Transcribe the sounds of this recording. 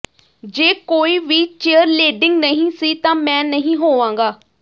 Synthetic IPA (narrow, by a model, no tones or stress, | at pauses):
d͡ʒeːkoːiːʋiːt͡ʃeːəɾleːɖɪŋɡnəɦĩːsiːt̪ãːmɛ̃ːnəɦĩːɦoːʋãːŋɡaː